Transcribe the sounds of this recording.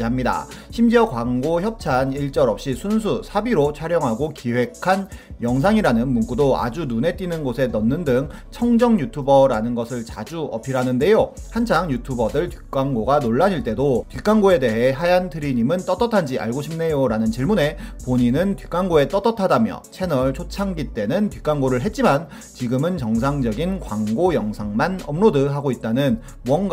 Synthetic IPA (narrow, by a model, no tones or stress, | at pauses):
amɲida̰ɕʰimd͡ʑiʌkwaŋɡoçjʌp̚t͡ɕʰaniɭt͡ɕ͈ʌɾʌp̚ɕ͈isʰuns̬ʰusʰabiɾot͡ɕʰaɾjʌŋɦaɡokiwe̞kʰanjʌŋs̬ʰaŋiɾanɯnmunk͈udoa̰d͡ʑunune̞t͈inɯnɡosʰe̞nʌnːɯndɯŋt͡ɕʰʌŋd͡ʑʌŋjutʰubʌɾanɯnɡʌsʰɯɭt͡ɕa̰d͡ʑuʌ̰pʰiɾanɯnde̞johant͡ɕʰaŋjutʰubʌdɯɭtɥik͈aŋɡoɡanoɭːaɲiɭt͈e̞dotɥik͈aŋɡoe̞de̞ɦe̞ɦajantʰɯɾiɲimɯnt͈ʌt͈ʌtʰand͡ʑia̰ɭɡoɕʰimne̞joɾanɯnt͡ɕiɭmune̞poɲinɯntɥik͈aŋɡoe̞t͈ʌt͈ʌtʰadamjʌ̰t͡ɕʰe̞nʌɭt͡ɕʰot͡ɕʰaŋɡit͈e̞nɯntɥik͈aŋɡoɾɯɭɦe̞t̚t͡ɕ͈iman | t͡ɕiɡɯmɯnt͡ɕʌŋsʰaŋd͡ʑʌɡinkwaŋɡojʌŋsʰaŋmanʌmɾodɯɦaɡoit̚t͈anɯn | wʌnɡ